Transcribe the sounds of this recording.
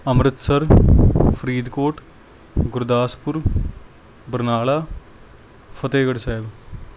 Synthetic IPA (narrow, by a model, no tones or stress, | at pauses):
əmɾɪt̪səɾpʰɾiːd̪koːʈ | ɡʊɾd̪aːspʊɾ | bəɾnaːlaː | pʰət̪eːɡəɽsaːɪb